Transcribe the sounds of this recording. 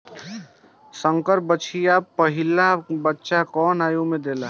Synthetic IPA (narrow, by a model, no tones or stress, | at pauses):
sə̃ŋkəɾp̚bət͡ʃʰijapəɦɪlabətːʃakɔːnaːjumẽd̪eːla